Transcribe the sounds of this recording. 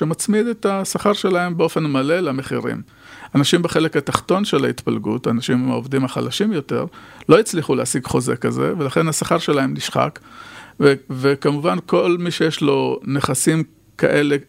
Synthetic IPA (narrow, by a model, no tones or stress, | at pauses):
ʃemat͡smid̪etasaχaʁʃe̞lae̞mbeo̞fe̞nmale̞lame̞χiʁḭm | anaʃimbeχe̞lekataχto̞nʃe̞lait̪palɡṵtanaʃimovd̪imaχa̰laʃimjo̞te̞̰ʁlo̞jit͡sliχuleasiɡχo̞zekaze̞̰velaχe̞nhasaχaʁʃe̞laemniʃχa̰kevekamuvankʰo̞lmiʃejeʃlo̞neχasim | kʰa̰ʔe̞le̞